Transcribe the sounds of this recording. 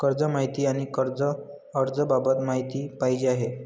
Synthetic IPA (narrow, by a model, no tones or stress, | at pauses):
kəɾd͡zəmaɦit̪iːaɽ̃ikəɾd͡zəː | ɾd͡zəbabət̪maɦit̪iːpaɦid͡ʑeaɦe